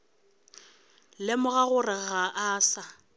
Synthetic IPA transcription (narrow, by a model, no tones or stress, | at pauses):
lɪmʊɣaɣʊrɪɣaʔaːsa